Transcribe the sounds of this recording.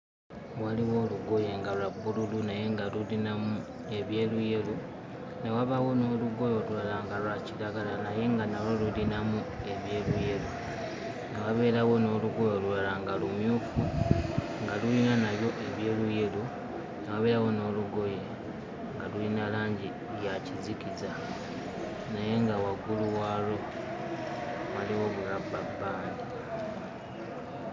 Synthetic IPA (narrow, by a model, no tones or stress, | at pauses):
waliwo̞ːluɡo̞je̞ŋɡalulabululunaje̞ŋɡalulinamu | e̞βje̞ːluje̞lu | ne̞waβawo̞no̞ːluɡo̞jo̞lulalaŋɡalwacilaɡalanaje̞ŋɡanawolulinamu | e̞βje̞ːluje̞lu | ŋewaβe̞ːɾawo̞no̞ːluɡo̞jo̞lulalaŋɡalumjuːfu | ŋɡalulinanaβjo̞ʔe̞βje̞ːluje̞lu | naβaβe̞ːɾawo̞no̞ːluɡo̞je | ŋɡalulinalaːɲɟi | ljacizikiza | naje̞ŋɡawaɡuluwalo | βaliwo̞βulabːabːaːndi